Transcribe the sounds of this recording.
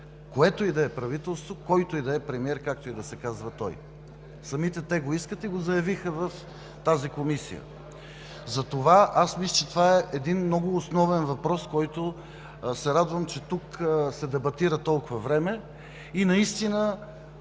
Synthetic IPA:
koɛt̪oid̪ɐɛpɾɐvit̪ɛlˠst̪vokɔjt̪oid̪ɐɛpɾɛmiɛɾkak̚t̪oid̪ɐsɛkazvɐt̪ɔ̰j | sɐmit̪ɛt̪ɛɡoiskət̪iɡozɐjɐvixəvɐf | t̪azikomisḭjə̰ | zɐt̪ovaʔasmisɐt͡ʃɛt̪ovaɛʔɛd̪inmnɔɡʊːsnɔvɛnvɐpɾɔskɔjt̪o | sɛɾad̪vɐmt͡ʃɛt̪uksɛd̪ɛbɐt̪iɾət̪ɔlˠkʊvɐvɾɛmɛ | inɐist̪inə

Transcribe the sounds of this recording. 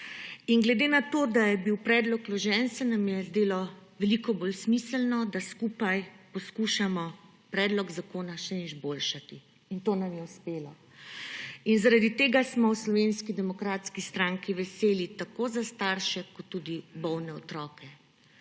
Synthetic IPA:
iŋɡlɛd̪eːnat̪oːd̪ajɛbiwpɾɛːd̪lɔklɔʒɛnsɛnamjɛzd̪eːlɔʋɛlikɔboːlsmiːsəlnɔd̪askupajpɔskuːʃamɔ | pɾɛːd̪lɔɡzakoːnaʃɛizboːlʃat̪i | int̪oːnamjɛuspeːla | inzaɾad̪it̪eːɡasmɔwslɔʋeːnskid̪ɛmɔkɾaːt̪skist̪ɾaŋkiʋɛseːlit̪akoːzast̪aɾʃɛkɔt̪ːud̪ibɔwnɛɔt̪ɾɔːkʰɛ

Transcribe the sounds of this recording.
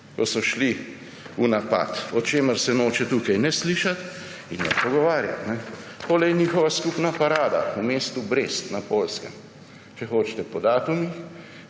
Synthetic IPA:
kɔsɔʃli | unapa̰t̪ɔt͡ʃeːməɾsɛnoːt͡ʃɛt̪uːkajnɛsliːʃat̪ | inːɛ̰pɔɡɔʋaːɾja̰t̪nɛt̪oːlɛjniːxɔʋaskupnapaɾaːd̪a̰umeːst̪ubɾeːst̪napoːlskɛm | t͡ʃɛxoːt͡ʃt̪ɛpɔd̪aːt̪umix

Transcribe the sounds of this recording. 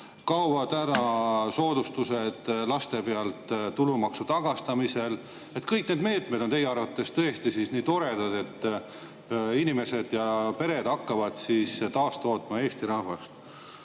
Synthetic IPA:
kɑwɑd̪æɾɑso̞ːd̪ust̪use̞d̪̥lɑst̪e̞peɑlt̪t̪ːulumɑksut̪ɑɡ̥ɑst̪ɑmise̞l | et̪kɤjk̚ne̞ːd̪̚me̞ːt̪ˑmed̪o̞nt̪e̞jeɑrvɑt̪ːˑe̞st̪ɤest̪isisniːt̪o̞ɾe̞d̪̥ɑd̪e̞t̪ː | inime̞se̞d̪̥jɑpe̞ɾe̞d̪̥ɑkːɑvɑd̪̥siːst̪ɑːst̪o̞ːt̪ˑmɑe̞ːst̪iɾɑhvɑst̪

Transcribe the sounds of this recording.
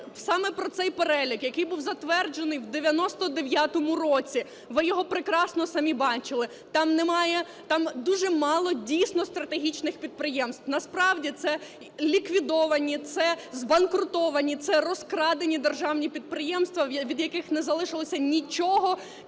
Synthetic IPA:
sɑmɛpɾɔt̪sɛjpeɾɛlʲikjɐkɪjbuwzɐt̪ʋɛrd͡ʒenɪjwd̪eʋʲjɐnɔst̪ɔd̪eʋʲjat̪ɔmʊrɔt͡sʲi | ʋɪjɔɦɔpɾɪkɾɑsnɔsɐmʲibɑt͡ʃɪlˠɪ | t̪ɑmnɛmɑjɛ | t̪ɑmd̪uʒɛmɑlˠɔdʲijsʲnɔst̪ɾɐt̪eɦʲit͡ʃnɪxpʲid̪̚pɾɪjɛmst̪wnɐspɾɑwdʲit̪sɛ | lʲikʋʲid̪ɔʋɐnʲit̪sɛzbɐnkɾʊt̪ɔʋɐnʲit̪sɛrɔskɾɑd̪enʲid̪erʒɑwnʲipʲid̪̚pɾɪjɛmst̪ʋɐʋʲid̪jɐkɪxnɛzɐlˠɪʃɪlˠɔsʲɐnʲit͡ʃɔɦɔ

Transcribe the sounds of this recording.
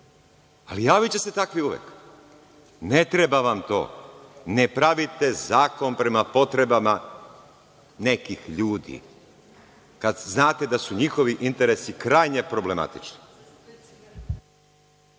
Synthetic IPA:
alijaːʋit͡ɕe̞se̞t̪akʋiuʋjḛk | ne̞t̪ɾe̞baʋamt̪o̞̰ːnepɾaʋit̪e̞zaːko̞npɾe̞mapo̞t̪ɾe̞bama | ne̞kixʎuːd̪ḭ | kad̪znaːt̪e̞d̪asuɲixo̞ʋiʔint̪e̞ɾe̞sikɾaːjɲepɾo̞ble̞ma̰t̪i̥t͡ʃni̥

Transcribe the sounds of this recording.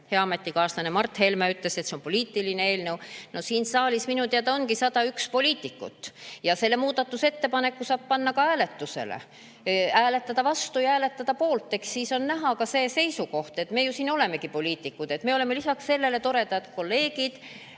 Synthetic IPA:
heɑɑme̞t̪ːˑikɑːst̪ɑnemɑrt̪ːˑhe̞lmeyt̪le̞se̞t̪se̞o̞npo̞liːt̪ːˑilineeːlne̞wno̞siːnsɑːlʲisminut̪eɑt̪ɑonkisɑd̪̥ɑykspo̞liːt̪ːˑikːṵt̪ːjɑse̞lːe̞muːd̪̥ɑt̪ːuse̞t̪ːe̞pɑne̞kːusɑːb̥̚pɑnːɑkɑæːle̞t̪ːˑuse̞̰lḛ | æːle̞t̪ːˑɑd̪ɑvɑst̪ujɑæːle̞t̪ːˑɑd̪̥ɑpo̞ːlt̪ˑːe̞kssiːso̞nnæɦɑkɑse̞ːse̞jsuko̞ht̪e̞t̪me̞ːjusiːno̞le̞me̞kipo̞lʲiːt̪ːˑikːˑud̪e̞t̪me̞ole̞melisɑksse̞lːe̞le̞t̪o̞ɾe̞t̪ɑjɑd̪̥ko̞lːe̞ːɡid̪̥

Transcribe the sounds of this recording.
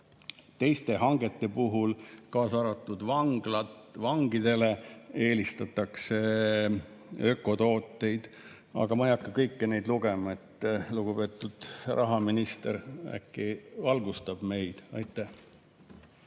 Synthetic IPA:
t̪e̞jst̪e̞ɦɑŋɡ̥e̞t̪ːe̞puɦulkɑːsɑɾɑt̪ːˑud̪̥vɑŋɡ̥lɑt̪vɑŋɡ̥id̪̥e̞le̞e̞ːlist̪ɑt̪ːˑɑkse̞ | ø̞kːˑo̞t̪o̞ːt̪ːˑe̞jd̪̥ | ɑ̰ɡ̥ɑmɑejɑkːɑkɤjkːine̞jd̪luɡ̥e̞mɑe̞t̪ːluɡ̥ube̞ːt̪ˑːud̪̥rɑɦɑminist̪ḛɾæ̰kːˑivɑlɡ̥ust̪ɑb̥me̞jd̪̥ɑ̰jt̪ːˑæh

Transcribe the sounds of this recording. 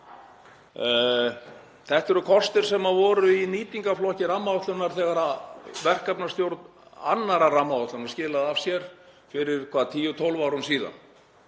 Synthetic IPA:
θɛht̪ɛɾʏkʰɔst̪ɪɾ̥sɛmavɔːɾʏiniːt̪iŋkaflɔhcɪɾamːaaht̪lʏnːaɾ̥θɛːɣaɾavɛr̥kapnast̪jowɾt̪n | a̰nːaɾaramːaaht̪lʏnḁscɪːlaðav̥sjɛɾ̥ | fɪɾɪɾ̥kʰvaːðat̪ʰiːjʏt̪ʰolvawɾʏmsiːða̰n

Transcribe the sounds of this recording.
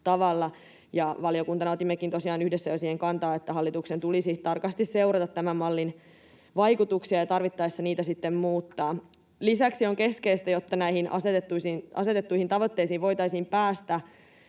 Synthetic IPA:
t̪ɑʋɑlːɑ | jɑʋɑliokunt̪ɑnɑot̪imːekint̪osiɑːnyhdesːæjosiːheŋkɑnt̪ɑːet̪ːæɦɑlːit̪uksent̪ulisit̪ɑrkɑst̪isse̞urɑt̪ɑt̪tæmæmmɑlːin | ʋɑikut̪uksiɑjɑt̪ɑrʋit̪ːɑːesːɑniːt̪æsit̪ːemmuːt̪ːɑː | lisæksioŋke̞skeist̪æjot̪ːɑnæihinʔɑ̰set̪et̪ːusinɑse̞t̪et̪ːuihint̪ɑʋot̪ːeisiːʋʋo̞it̪ɑisiːmpæːst̪æ

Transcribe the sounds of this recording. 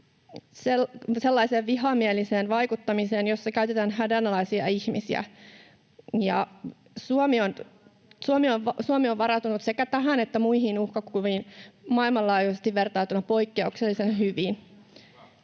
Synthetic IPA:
seselːɑiseːʋʋiɦɑmieliseːnʋɑikut̪ːɑmiseːnjosːɑkæyt̪et̪ænhædænɑlɑisiɑ̰içmisiæ̰ | jɑ̰ | suomion | suomiosuomioʋʋɑɾɑt̪unut̪sekæt̪æɦænet̪ːæmuihinuhkɑkuʋiːnmɑilmɑlːɑːjusest̪iʋʋert̪ɑːt̪unɑpo̞ikːeukselːisenhyʋin

